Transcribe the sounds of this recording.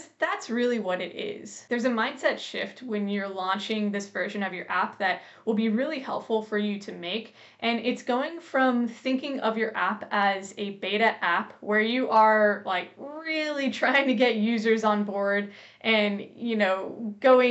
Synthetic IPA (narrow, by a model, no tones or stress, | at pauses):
ðætsɹɪlˠiwʌɾɨɾɪ̰z̥ðə˞zɨmãɪ̃nd̥sɛtʃɪ̰ft̚wɨ̃njə˞lɑ̃nt͡ʃɪ̃ŋðɪsv̥ɜ˞ʒɨ̃nʌvjə˞ʔæp̚ðɨt̚ | wəlˠbiɹɪlˠihɛ̰lˠpfl̩ˠfə˞jɨɾɨmeɪk | ʔɨ̃nɪtsɡ̥oʊɪ̃ŋfɹʌ̃mθɪ̃ŋkɪ̃ŋʌvjə˞ʔæpɨzɨbeɪɾɨʔæpwə˞jɨʔə˞laɪkɹɪlˠitʰɹ̥aɪɪ̃ŋtʰɨɡɛʔ̚jʉzə˞zn̩bɔɹd | ʔɨ̃njɨnoʊɡ̥oʊɪ̃